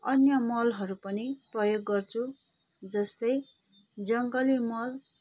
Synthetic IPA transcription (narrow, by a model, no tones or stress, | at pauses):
ʌnjʌmʌlɦʌɾupʌniprʌjoɡːʌrt͡sʰu | d͡zʌst̪ʌj | d͡zʌŋɡʌlimʌl